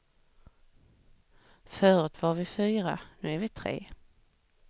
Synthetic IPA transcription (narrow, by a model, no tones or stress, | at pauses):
fœːɾɵt̪vaɾvɪfyːɾa̰nʉ̟ːæɾvɪt̪ʰɾḛː